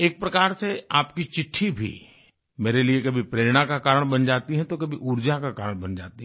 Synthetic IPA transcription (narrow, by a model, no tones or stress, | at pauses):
eːk̚pɾɐkaːɾseaːpkit͡ʃɪʈʰːibʱḭ | meːɾeliekɐbʱipɾeːɾɽ̃akakaːɾəɽ̃bɐnd͡ʒaːt̪iɦɛ̃t̪okɐbʱiʔʊɾd͡ʒakakaːɾəɽ̃bɐnd͡ʒa̰ːt̪iɦɛ